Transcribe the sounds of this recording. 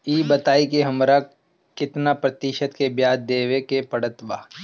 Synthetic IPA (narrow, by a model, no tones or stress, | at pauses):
iːbɐt̪aːikeɦɐmɾa | kɪt̪napɾɐt̪ɪʃət̪kebjaːd̪̚d̪eːʋekepɐɽət̪ʋaː